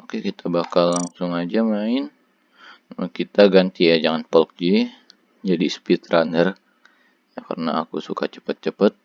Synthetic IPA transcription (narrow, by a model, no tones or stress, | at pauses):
okekit̪ʰabakalːaŋsʊŋad͡ʒamaɪn | kit̪aɡant̪ijad͡ʒaŋanpɔlk̚d͡ʒi | d͡ʒadispit̪ɾanər | jaka̰rna̰ːkusuka̰t͡ʃə̥pət̪̚t͡ʃəpət̪̚